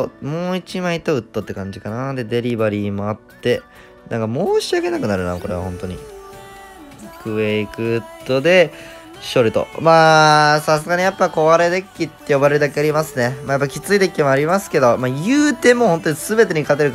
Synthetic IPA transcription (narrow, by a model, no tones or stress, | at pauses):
omo̞ːit͡ɕimait̪oɯ̟t̪ːo̞t̪ːe̞kãɲ̟d͡ʑikanad̪e̞d̪e̞ɾʲibaɾʲiːmo̞at̪ːe̞ | nã̰ŋkamo̞ːɕiaɡe̞nakɯ̟naɾɯ̟na̰ko̞ɾe̞β̞a̰ɦõ̞nt̪o̞ɲ̟ḭ | kɯ̟eikɯ̟ɯt̪ːo̞d̪e̞ | ɕo̞ɾɯ̟t̪o̞̰maːsas̬ɨɡaɲijapːako̞βaɾe̞d̪e̞kʲːit̪ːe̞jo̞baɾe̞ɾɯd̪akeaɾʲimasɨne̞maːjapːakʲit͡sɨit̪e̞kʲːimoaɾʲimasɨ̥ke̞d̪o̞maːjɯ̟ːt̪e̞mo̞ːho̞nt̪o̞ɲisɨbe̞t̪̬e̞ɲ̟ikat̪e̞ɾɯ